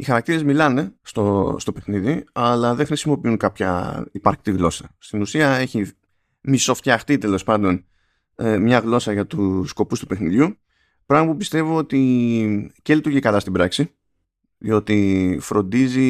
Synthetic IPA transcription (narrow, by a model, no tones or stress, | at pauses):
ixɐɾɐk̚t̪iɾe̞zmilɐne̞st̪ost̪o̞pe̞xniðiɐlɐðe̞ŋxɾisimo̞piunkɐpçɐ̰ipɐɾçi̥t̪iɣlo̞sɐst̪inusiɐe̞çi | miso̞ft̪çɐxt̪it̪e̞lo̞spɐnd̪o̞n | emɲɐɣlo̞sɐʝɐt̪usko̞pust̪upe̞xniðʝu | pɾɐɣmɐpupist̪evoo̞t̪i | celit̪uɾʝikɐlɐst̪ibɾɐksi | ðḭo̞t̪ifɾo̞nd̪izi